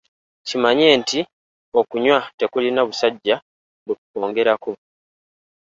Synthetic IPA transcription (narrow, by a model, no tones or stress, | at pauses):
cimaɲeːnti | o̞kuɲwate̞kulinaβusaɟːa | βutu̥ko̞ːŋɡe̞ɾaku